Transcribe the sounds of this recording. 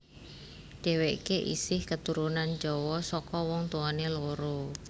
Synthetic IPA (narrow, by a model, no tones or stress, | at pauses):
ɖ̥ɛ̤weʔkeʔḭsɪhkət̪uɾunand͡ʒɔwɔsɔkɔwɔŋt̪uɔneloɾo